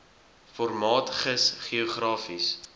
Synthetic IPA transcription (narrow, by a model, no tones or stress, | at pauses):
fɔrmɑːtχəsχioχrɑːfis